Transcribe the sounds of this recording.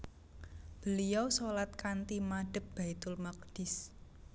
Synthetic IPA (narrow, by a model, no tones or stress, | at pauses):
b̥əlijɔwsolat̪̚kant̪imaɖ̥ə̤p̚b̥a̤it̪ʊlmak̚ɖ̥ɪs